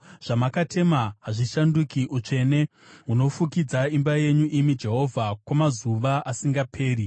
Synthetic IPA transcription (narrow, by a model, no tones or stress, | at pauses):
ʐ̥amakatʰe̞maɦaʐiʃandukiʔut͡ʂe̞ne̞ | ɦuno̞fukid͡zaimbaje̞ɲuʔimid͡ʒe̞ɦo̞vʱakwamazuʋaʔasiŋɡapʰe̞ːɾi